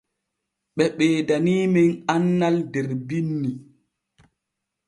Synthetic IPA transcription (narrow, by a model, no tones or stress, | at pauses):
ɓɛɓɛːdaniːminanːaldɛɾbinːi